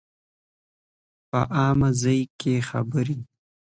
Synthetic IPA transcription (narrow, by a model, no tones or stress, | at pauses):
pə̰ʔɑːmazəjkexa̰bəɾi